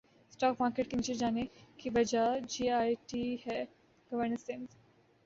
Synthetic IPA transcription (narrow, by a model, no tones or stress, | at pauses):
sʈɔk̚makeʈ̚kĩnt͡ɕed͡ʑanekibɐd͡ʑad͡ʑiːajʈihɛ | ɡ̥əʋəɾnəɾsẽns